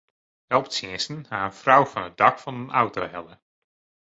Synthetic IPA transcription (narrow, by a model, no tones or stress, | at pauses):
ɛlˠptsɪəsənhaːənfrawvɑnɦət̚dɑkfɑnənawtoɦɛlˠə